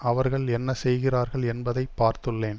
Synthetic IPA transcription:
ɐʋɐɾɣɐɭɛnːɐsɛjɣɪraːɾɣɐɭɛnbɐðɐɪppːaːɾt̪ɯɭːeːn

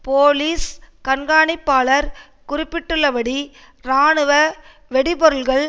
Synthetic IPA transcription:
poːliːskɐnɡaːɳɪpːaːɭɐɾ | kʊrɪpːɪʈːɯɭːɐʋɐɽi | ɾaːɳɯʋɐ | ʋɛɽɪpɔɾɯlɣɐɭ

